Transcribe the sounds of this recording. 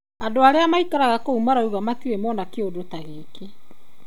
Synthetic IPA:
adoaɾeamaikaɾaɣakoumaɾauɣamatiɾemɔnakeodotaɣeːke

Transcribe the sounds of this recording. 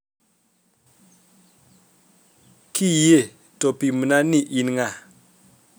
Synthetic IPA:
kʰije | topimunaniʔinŋa

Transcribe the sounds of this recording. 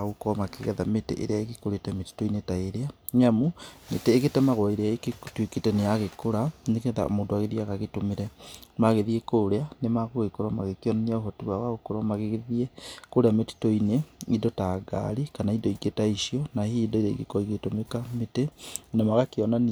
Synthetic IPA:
aokɔmakeɣɛðametḛʔḛɾeaeɣekoɾetɛmeti̥toinetaeɾea | ɲamumḛteːɣetɛmaɣwɔiɾeaeketweketɛnejaɣekoɾaneɣɛða̰o̰moːdoaɣeðiaɣaɣetomeɾɛmaɣeðiekoɾeanemaɣoɣekoɾamaɣekeɔnaniaohɔtiwawaokoɾamaɣeɣeðiekoɾeameti̥toineidɔtaɡa̰ɾikanaidɔiɡetaiʃiɔnahidɔeɾeiɣekɔiɣetomekametenamaɣakeɔnan

